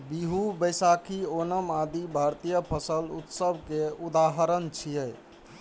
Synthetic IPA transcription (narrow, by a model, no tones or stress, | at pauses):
biɦubəjsakʰionəmad̪ibʱaɾt̪ijəpʰəsəlṵt̪səbʱkeud̪aɦəɾənt͡ʃʰijəj